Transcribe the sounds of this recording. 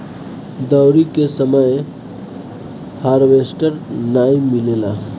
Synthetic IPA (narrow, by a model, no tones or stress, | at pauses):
d̪awɾikesəməj | haːɾʋesʈəɾnaːimːilela